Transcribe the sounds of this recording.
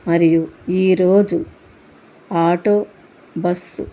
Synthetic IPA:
mɐɾijuiːɾoːd͡ʒu | aːʈoː | bɐs

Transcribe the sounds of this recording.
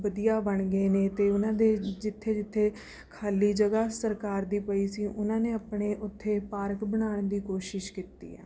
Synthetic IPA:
ʋəd̪ijaːbəɳɡeːneːt̪eːʊnãːd̪eːd͡ʒɪt̪ʰːeːd͡ʒɪt̪ʰːeː | kʰaːliːd͡ʒəɡaːsəɾkaːɾd̪iːpəiːsiːʔʊnãːneːapɽeːʔʊt̪ʰːeːpaːɾkbəɽ̃aːɳd̪iːkoːʃɪʃkiːt̪ḭːɛ̰ː

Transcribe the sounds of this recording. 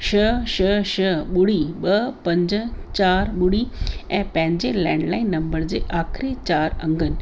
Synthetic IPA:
ɕəɕəɕəɓuɽiɓəpɐ̃ɲd͡ʑt͡ɕaːɾɓuɽiɛ̃ːpə̃ɦɪ̃ɲd͡ʑelɛ̃ɳɖlaːinːɐmbəɾd͡ʑeʔaːkʰɾet͡ɕaːɾə̰̃ŋɡən

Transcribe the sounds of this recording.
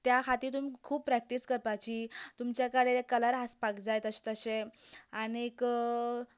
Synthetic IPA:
t̪jakʰat̪iːt̪̬um̤iːkʰuːb̚pɾɛk̚ʈiskəɾpat͡ɕiːt̪umt͡ɕjakəɽekələɾɦaspakd͡zajt̪əɕe̥t̪əɕeanek

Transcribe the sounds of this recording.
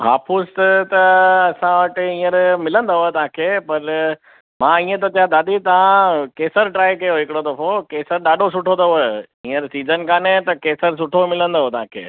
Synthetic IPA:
ɦa̰ːfʰʊst̪t̪ɐɐsãʋɐʈɪĩːəɾmɪlə̃nd̪aɦoet̪ɐɦãkʰeːpɐɾ | mãːĩːẽt̪̬ɐt̪ijãd̪aːɗ̪it̪ɐʋ̤ãkeːsəɾʈɾaːikɐjoɦɪkɪɽod̪ɐfokeːsəɾɗaːɗʱos̬ʊʈʰod̪ɐɦoe | ĩːəɾsiːzənkaːnet̪ɐkeːsəɾs̬ʊʈʰomɪlə̃nd̪oɦot̪ɐɦãkʰḛː

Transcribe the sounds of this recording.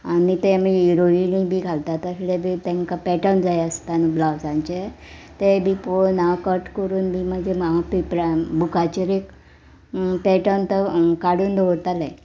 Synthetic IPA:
anit̪emiiɾoinĩbʱiːɡʱalt̪at̪əslebʱit̪ɛ̃ŋkapɛʈənd͡zajəst̪anublaʋsãɲt͡ɕe | t̪ebiponakəɾʈkəɾuːnbʱiːməd͡ʑemapipɾbukat͡ɕeɾek | pɛʈənt̪əkaɽuːnd̪ʱoɽt̪alẽ

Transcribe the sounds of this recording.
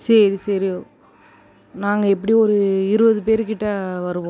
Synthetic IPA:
sɛɾisɐɾioː | naːŋɡɐɛp̬ːɐɽiɔɾɯɪɾɯbɐðɯpeːɾkɪʈːɐʋɐɾɯʋõ

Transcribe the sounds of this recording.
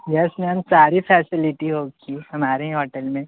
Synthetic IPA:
jɛsneɦɐmsaːɾipʰɛːsɪlɪʈiɦoːɡiɦɐmaːɾeɦĩɦɔːʈəlmẽ

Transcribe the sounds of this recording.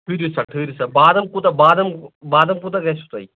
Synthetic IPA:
ʈʰɨɾisɐʈʰɨːɾisɐbaːd̪ɐmkut̪ɐbaːd̪ɐmbaːd̪ɐmkut̪ɐɡɐsʰu̥t̪ɐ̰i

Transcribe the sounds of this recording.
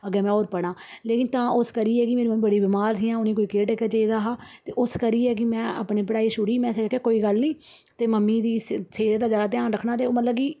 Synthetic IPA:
əɡɛːmɛ̃ːɔːɾpəɽ̃ãːleːkɪnt̪ãːʊskəɾiːɛːkɪmeːɾiːmmːĩːbəɽiːbɪmaːɾt̪ʰiːãːʊniːkoːiːkeːʈekəd͡ʒeːd̪aːɦaːt̪eːʔʊskəɾiːɛːk̬ɪmɛ̃ːa̰ːpɳeːpəɽaːiːʃʊɽiːmɛ̃ːsəd͡ʒkeːkoːiːɡəlnĩː | t̪eːməmːiːd̪iːseːd̪d̪aːzjaːd̪aːt̪̬ɪjãːnɾəkʰnaːt̪̬eːoːmət̪ləb̚kiː

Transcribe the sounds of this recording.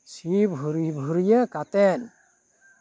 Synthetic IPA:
sibʱuɾibʱuɾijekat̪ɛn

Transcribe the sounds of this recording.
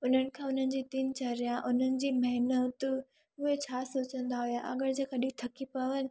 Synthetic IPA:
ʊn̤ənɪ̆kʰãːʊn̤ənɪ̆d͡ʑiːt̪iːnt͡ɕɐɾjaʔʊn̤ənɪ̆d͡ʑiːmɐɦɪnət̪ʊ | ʊɦet͡ɕʰaːsoːt͡ɕə̃nd̪aɦujaʔɐ̰ɡəɾd͡ʑeːkaɗit̪ʰɐkipɐʋənɪ̆

